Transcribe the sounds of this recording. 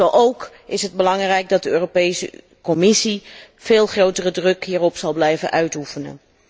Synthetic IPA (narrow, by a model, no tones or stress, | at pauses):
ɛwʔowk | ɪsɦəd̚bəlɑŋrɛjk̚dɑt̚dəøːropejsə̰ | kɔmɪsi | v̥eːlˠχrowtərədrɵkɦiːrɔpsɑlˠblɛjvənʔœɥtufənə̰n